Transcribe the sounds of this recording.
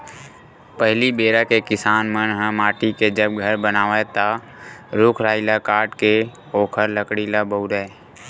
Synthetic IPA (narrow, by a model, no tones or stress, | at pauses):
pəɦlibeːɾakekɪsaːnmənɦə̃maːʈiked͡ʒəb̚ɡʱəɾbənaːʋet̪a | ɾʊkʰɾaːilakaːʈke | oːkʰəɾləkɽilabəuɾɛ